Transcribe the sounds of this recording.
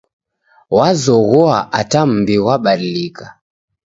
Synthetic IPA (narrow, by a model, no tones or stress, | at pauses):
wazɔɣɔaʔatam̩biwaɓaɗilika